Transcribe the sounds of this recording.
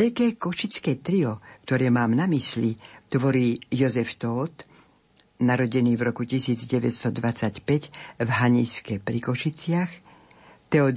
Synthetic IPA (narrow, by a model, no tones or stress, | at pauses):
ɛʎkɛːkɔʃit͡skɛːt̪ɾiɔkt̪ɔɾɛːmaːmnamislit̪ʋɔɾiːjɔzɛft̪ɔːt̪ | naɾɔɟɛniːvɾɔkucisiːd͡zɟɛʋɛcst̪ɔd̪ʋat͡sacpɛcvɦaɲiskɛpɾikɔʃit͡sɪax | t̪ɛɔ